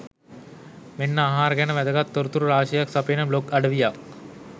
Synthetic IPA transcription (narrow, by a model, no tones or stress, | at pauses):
menːəaɦaːɾəɡænəʋæd̪əɡat̪ːoɾut̪uɾuɾaːʃəjaksapenəbloɡaɖəʋijak